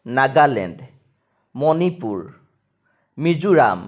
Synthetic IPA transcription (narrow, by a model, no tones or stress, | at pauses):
naɡalɛ̰nd | mɔnipuɹ | mizuɹa̰m